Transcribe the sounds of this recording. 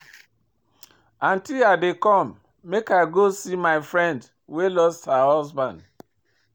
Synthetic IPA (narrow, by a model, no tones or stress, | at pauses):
ãntilaɪdekɔmː | ekaɪɡosimaɪfɹɛ̃nd | welɔsthahɔzbãnd